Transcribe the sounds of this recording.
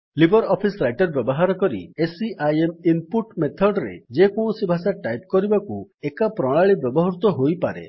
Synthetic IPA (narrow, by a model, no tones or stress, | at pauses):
libɔɾɔpʰisɾajʈɔɾbjɔbɔɦaɾɔkɔɾḭesiʔajemimpuʈmet̪ʰɔɖɾḛd͡ʒekõũsibʱasaʈajp̚kɔɾibakuekapɾɔɭ̃aɭibjɔbɔɦɾut̪ɔɦojpaɾḛ